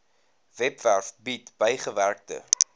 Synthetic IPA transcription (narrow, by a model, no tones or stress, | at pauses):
vɛpværfbitb̥əjχəværk̚tə̰